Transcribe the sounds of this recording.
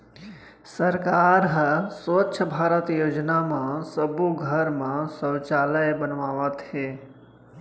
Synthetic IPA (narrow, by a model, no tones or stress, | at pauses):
səɾkaːɾɦsʋətːʃʰəbʱaːɾət̪joːd͡ʒnamãsəbuɡʱəɾmãsəwt͡ʃaːləjbənʋaʋat̪ʰe